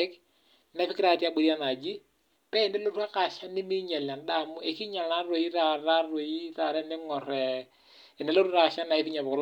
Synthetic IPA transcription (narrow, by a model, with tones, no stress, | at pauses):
ɛ˦k | nɛ˦fɪ˦kɪɾa˨ti˦a˦ɡ͡bo˨ɾi˦a˦na˨d͡ʒɪ˦ | pɛ˦ɪ˨nɛ˦lo˦ɾu˦a˦ka˨ʃa˦nɪ˦mɪ˦ɲa˨la˨nda˦˨mʊ˦e˨kɪ˦ɲa˨lna˦ro˨i˦ra˨ɾa˦ro˨i˦ra˨ɾɛ˦nɪ˦ŋɔ˨ɾɛ˨ | ɪ˨nɛ˦lo˦ɾu˦ɾa˨ʃa˦na˨ɪ˦fɪ˦ɲa˨bɔ˨ɔ˦l